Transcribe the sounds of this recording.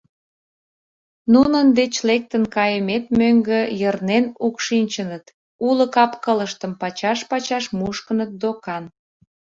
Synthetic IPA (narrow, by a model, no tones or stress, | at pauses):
nunənd̪et͡ɕlek̚t̪ənkɑjəmet̪møŋɡəjərnenukʃinʲt͡ɕənət̪ | uləkɑpkələʃt̪əmpɑt͡ɕɑʃpɑt͡ɕɑʃmuʃkənət̪̚d̪okɑn